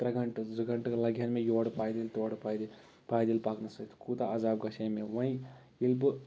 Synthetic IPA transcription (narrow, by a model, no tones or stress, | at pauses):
t̪ɾɐɡɐɳʈzɨɡɐɳʈkɐlɐɡjɐnmẽjoːɽpaːjd̪ilt̪oːɽpajd̪ | paːjd̪ilpaːknɐsɐt̪kuːt̪aɐzaːb̚ɡɐʃɐmẽʋɐ̃ĩ | ilbɨ